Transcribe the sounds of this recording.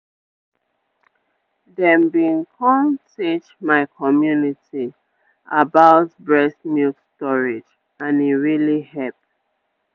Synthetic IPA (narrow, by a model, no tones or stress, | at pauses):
dɛ̃mbĩnkʰɔ̃ntit͡ʃmaɪkʰɔmjuniti | abaʊtbɹɛsmiltstɔɹid͡ʒ | ãniɹilihɛp̚